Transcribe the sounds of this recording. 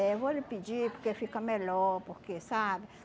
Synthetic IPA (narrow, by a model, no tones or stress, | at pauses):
eβolipid͡ʒipkefikamelopokesabi